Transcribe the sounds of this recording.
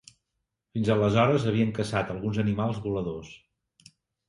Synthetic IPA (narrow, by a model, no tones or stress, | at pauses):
finzələzɔɾəzəβiəŋkəsat̪əlˠɣunzənimalˠzβuləðos